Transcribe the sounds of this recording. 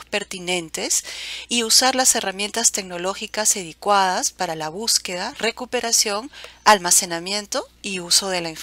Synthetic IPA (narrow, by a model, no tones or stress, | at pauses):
pe̞ɾt̪inẽ̞nt̪e̞siusaɾlase̞ramje̞nt̪ast̪e̞ɡno̞lo̞xikaseðikwaðaspaɾalaβ̞uske̞ðare̞kupe̞ɾasjo̞ŋalmase̞namje̞nt̪oiuso̞ð̞e̞laeɱf